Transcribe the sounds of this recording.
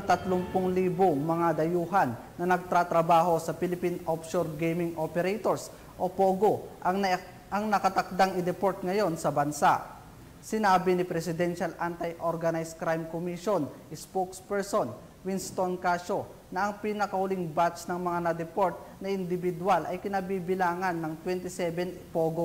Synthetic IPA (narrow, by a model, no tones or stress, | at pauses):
ɐt̪ɐt̪lʊŋpʊŋliːboŋmɐŋad̪ɐjuːɦɐnːɐnɐɡ̚t̪ɾat̪ɾɐbaːɦo̞sɐpɪlɪpinopʃoɾɡejmɪŋʔopɛɾɛjt̪oɹs | ʔopoːɡo | ʔɐŋnɐkɐt̪ɐk̚d̪aŋɪd̪ɛpoɹt̪̚ŋɐjo̞nsɐbɐnsaʔ | sɪnaːbɪnɪpɾɛsɪd̪ɛnʃɐlʔant̪ɐjʔoɾɡɐnajskɾajmkomiʃonʔɪspokspɛɹson | wɪnst̪onkaʃo̞ | nɐʔɐŋpinɐkɐhʊlɪŋbat̪t͡ʃnɐŋmɐŋanɐd̪ɛpoɹt̪̚nɐʔɪnd̪ɪbɪd̪walʔɐjkɪnɐbiːbɪlaːŋɐnːɐŋt̪wɛnt̪ɪsɛbɛnpoːɡo